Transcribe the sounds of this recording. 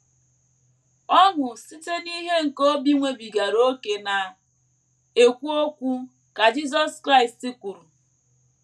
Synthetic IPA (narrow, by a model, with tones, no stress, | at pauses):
ɔ˦ŋʷʊ˨si˦te˦ni˦ɦe˦ŋ̩˨ko˦bi˦ŋʷe˦bi˨ɡa˨ɾo˦ke˨na˨ | e˨kʷu˦o˦kʷu˦ | ka˨d͡ʒi˦zɔ˦skɾa˦i˨sti˦kʷu˨ɾu˨